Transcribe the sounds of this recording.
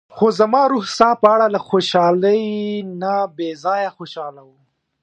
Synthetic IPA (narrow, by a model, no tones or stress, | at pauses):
xozamɑːɾuhsɑpəaɽalaxoʃɑləjnabezɑjaxoʃɑlawu